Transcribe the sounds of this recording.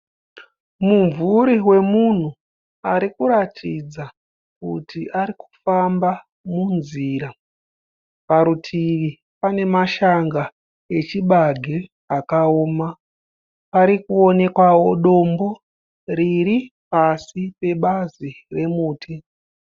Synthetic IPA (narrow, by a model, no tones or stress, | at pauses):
muɱvuɾiwe̞mun̤u | aɾikuɾatʰid͡za | kṵtiʔaɾiku̥famba | munziːɾa | paɾutʰiʋi | pane̞maʃaŋɡa | e̞t͡ʃiɓaɡʱe | akaoːma | paɾikuo̞ne̞kwawo̞ɗo̞mbo̞ | riɾipasipe̞ɓazi | re̞muːtʰi